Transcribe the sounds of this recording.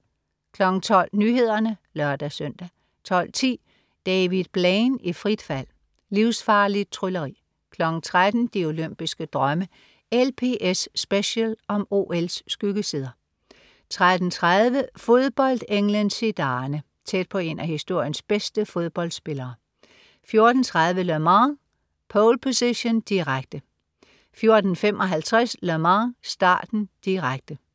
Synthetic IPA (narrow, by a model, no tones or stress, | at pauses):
kʰlɒ̽ɡ̥n̩t͡sʰɒ̽l̰nyːɦe̝ð̞̰ˠɐnəlɶɐd̥æsœn̰d̥æ | t͡sʰɒ̽l̰t͡sʰḭː | d̥ɛːʋið̥ˠb̥lɛɪnifʁid̥fæl̰ | liʊsfɑ̈ːlid̥̚t͡sʰʁylɐʁḭː | kʰlɒ̽ɡ̥n̩t͡sʰʁad̥n̩d̥io̝løm̰b̥isɡ̥əd̥ʁɶmə | elpʰe̝̰ːʔesːb̥eɕəlɒ̽mo̝̰ːelsːɡ̥yɡ̥əsiːð̞ˠɐ | t͡sʰʁad̥n̩t͡sʰʁaðˠʋəfo̝ð̞ˠb̥ɒ̽l̰d̥eŋlənsid̥ɑ̈ːnə | t͡sʰed̥̚pʰɒ̽e̝næhisd̥o̝ɐ̰jənsb̥esd̥əfo̝ð̞ˠb̥ɒ̽l̰d̥sb̥e̝lɐː | fjo̝ɐd̥n̩t͡sʰʁað̞ˠʋəlømɑ | pʰɒːlpʰo̝seɕond̥iʁaɡ̥̚d̥ə | fjo̝ɐd̥n̩femʔɒ̽ɦælt͡sʰʁaslømɑsd̥ɑ̰̈ːd̥n̩d̥iʁaɡ̥̚d̥ə